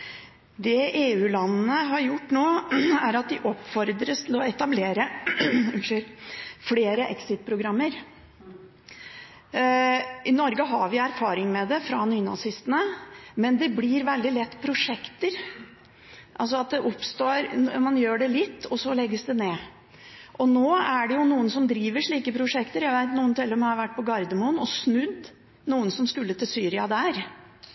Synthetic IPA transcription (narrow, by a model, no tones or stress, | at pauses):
d̪ɛeːʉːlɑnːəɦɑɾjʊʈːnoːæɾɑt̪̚d̪ɪʔɔpːfɔɾd̪ɾəst̪ʰɪlɔɛt̪ɑbleːɾə | ʂøɾfleːɾəʔɛksɪt̪̚pʰɾʊɡɾɑmːəɾ | ʔɪnɔɾɡəɦɑɾʋɪæɾfɑːɾɪŋmɛd̪ɛfɾɑnyːnɑ̰sɪst̪ənəmɛnd̪ɛblɪɾʋɛld̪ɪlɛt̪ːpʰɾʊʂɛkt̪əɾ | ʔɑlsɔɑt̪̚d̪ɛʔɔpst̪oːɾmɑnjøːɖɛlɪt̪ːɔsɔlɛɡːəsd̪ɛneː | ʔɔnoːæɖɛjʊnuːənsɔmd̪ɾiːʋəʂɭiːkəpʰɾʊʂɛkt̪əɾjæʋæɪt̪nuːənt̪ʰɪlːəmhɑɾʋæʈːpɔɡɑɾd̪əmuːnɔsnʉd̪ | nuːənsɔmskʉlːət̪ɪlsyːɾɪɑd̪æɾ